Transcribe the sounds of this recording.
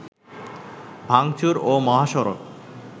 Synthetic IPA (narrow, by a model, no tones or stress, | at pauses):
bʱaŋt͡ɕuɾomɔɦaʃɔɾo̰k